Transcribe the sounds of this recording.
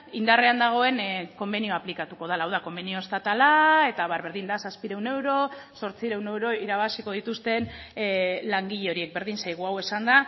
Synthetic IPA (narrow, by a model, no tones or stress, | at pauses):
ind̪are̞and̪aɣ̞o̞e̞nko̞mbe̞nio̞aplikat̪uko̞ðalaːwðako̞mbenio̞est̪at̪alae̞t̪aβaɾβeɾðind̪asaspiɾe̞wne̞wɾo̞so̞ɾt͡siɾe̞wne̞wɾo̞iɾaβ̞asiko̞ð̞it̪ust̪e̞n | laŋɡiʎe̞o̞ɾie̞k̚be̞ɾðinsajɣ̞uawe̞sand̪a